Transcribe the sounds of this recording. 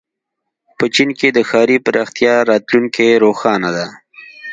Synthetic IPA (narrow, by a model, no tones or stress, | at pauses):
pət͡ʃinked̪əxɑɾipəɾʔɑxt̪jɑɾɑt̪luŋkeɾoxɑnad̪a